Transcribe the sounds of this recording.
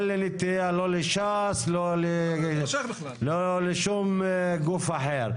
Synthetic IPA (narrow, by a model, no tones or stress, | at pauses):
lːinɪt̪ːialolɪʃaslole | lolɪʃumɡufaħeɾ